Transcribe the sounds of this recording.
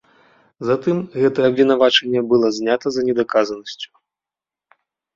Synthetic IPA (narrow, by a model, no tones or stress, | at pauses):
zat̪ɨmɣɛt̪ɐjɛɐbvʲinavat͡ʂɛnʲːɐbɨlˠɔzʲnʲat̪ɐzɐnʲɛd̪akazɐnɐsʲt͡sʲu̥